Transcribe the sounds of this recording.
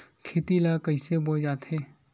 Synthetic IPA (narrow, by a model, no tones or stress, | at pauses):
kʰeːt̪ilakəɪsebod͡ʒaːt̪ɦeː